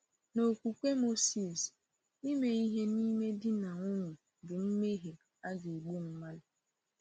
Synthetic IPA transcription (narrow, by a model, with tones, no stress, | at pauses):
no˨kʷu˨kʷe˦mo˦si˨s | ni˦me˦i˦ɦe˦ni˦me˦dɪ˦na˨ŋʊ˦nʊ˨ | bɪ˨n̩˦me˦ɦe˨ | a˦ɡe˨e˨ɡ͡bu˦m̩˦ma˦lɪ˦